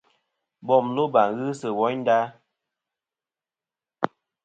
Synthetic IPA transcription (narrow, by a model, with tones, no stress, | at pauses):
bɔ˦˨mlo˦ba˨ŋɣɨ˦sə˨wɔ˨˦ɲn˦daː˦